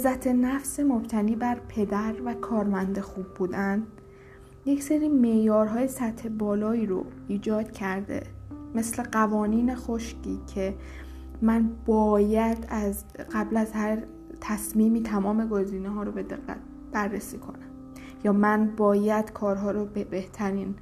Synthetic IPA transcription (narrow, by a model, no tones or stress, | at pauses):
ezːæt̪ʰe̞næfsemo̞b̥t̪ʰæniːbæɾpʰe̞d̪æɾvækʰɒːɾmænd̪exuːb̚ːuːd̪ænd̪ | jecseɾiːme̞ʔjɒːɾɦɒːje̞sæt̪he̞bɒːlɒːiːɾo̰iːd͡ʒɒːd̪̥cʰæɾd̪ḛme̞sle̞ɢævɒːniːne̞xoʃcʰiːcʰe̞ | mænb̥ɒːjæd̪̥æz | ɢæblæzhæɾ | t̪ʰæsmiːmiːt̪ʰæmɒːme̞ɡoziːneɦɒːɾobe̞d̪ḛɣːæ̰t̪̚ | b̥ærːesiːkʰo̞̰næm | jɒːmænbɒːjæd̪̥kʰɒːɾɦɒːɾobebeht̪ʰæɾiːn